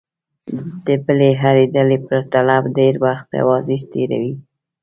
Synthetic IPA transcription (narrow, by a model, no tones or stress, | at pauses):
d̪̥əbəleɦaɾed̪əlepəɾt̪alabɖeɾwaxt̪a̰wɑzɪʃt̪eɾa̰wi